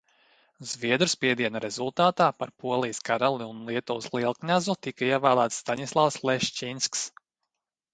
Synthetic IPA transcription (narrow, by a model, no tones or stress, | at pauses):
zviɛd̪ɾuspʲiɛd̪iɛnaɾɛzulˠt̪aːt̪aːpaɾpuɔlˠijskaɾalˠiunlˠiɛt̪uslˠiɛlˠknʲazut̪ikaiɛvæːlˠaːt̪st̪anʲislˠawslˠɛʃt͡ʃinsks